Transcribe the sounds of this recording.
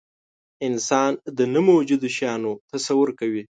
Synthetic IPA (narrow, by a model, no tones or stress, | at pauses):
ɪnsɑnd̪ənəmowd͡ʒud̪oʃjɑnot̪asawʊɾkawi